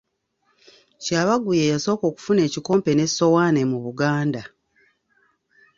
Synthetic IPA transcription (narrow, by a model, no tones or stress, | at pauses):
caːβaɡujejaso̞ːko̞ːku̥fune̞ːciko̞ːmpe̞ne̞so̞waːnemuβuɡaːnda